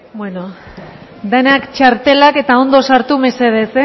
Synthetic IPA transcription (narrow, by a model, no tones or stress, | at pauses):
bweno | d̪enakt͡ʃaɾt̪e̞lake̞t̪ao̞nd̪o̞saɾt̪ume̞seðet͡se